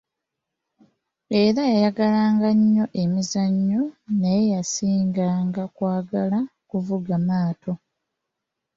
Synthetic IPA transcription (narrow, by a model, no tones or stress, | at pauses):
e̞ɾajajaɡalaːŋɡaɲːo̞ʔe̞mizaɲːonaje̞jasiːŋɡaːŋɡakwaːɡalakuvuɡamaːto̞